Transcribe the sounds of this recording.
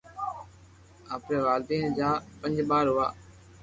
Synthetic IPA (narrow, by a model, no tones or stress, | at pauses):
aːpnẽːʋaːld̪iːnd͡ʒaːpə̃ɲd͡ʒɓaːɾɦʊʋa̰ː